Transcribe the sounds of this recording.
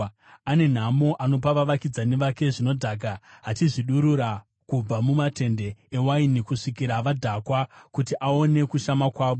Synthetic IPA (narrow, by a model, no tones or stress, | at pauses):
ane̞n̤amoʔano̞paʋaʋakid͡zane̞ʋake̞ʐino̞dʱaːɡaɦatiʐiɗuɾuɾa | kub͡vamumate̞nde̞ewainikuʂikiɾaʋadʱakwakutiʔao̞ne̞kuʃamakwaːʋo